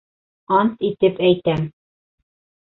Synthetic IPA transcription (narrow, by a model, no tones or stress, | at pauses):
ɑnt̪it̪ɘpæjt̪æm